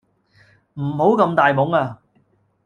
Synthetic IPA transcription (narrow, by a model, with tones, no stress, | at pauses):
m̩˨˩ho˨˥wkɐ˧mt̪aː˨jmʊ˨˥ŋaː˧